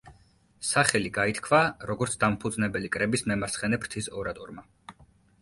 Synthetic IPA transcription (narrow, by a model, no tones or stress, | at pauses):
saχɛliɡait̪ʰkʰvaɾɔɡɔɾt̪sʰd̪ampʰud̪znɛbɛlikʼɾɛbismɛmaɾsχɛnɛpʰɾt̪ʰisɔɾat̪ʼɔɾma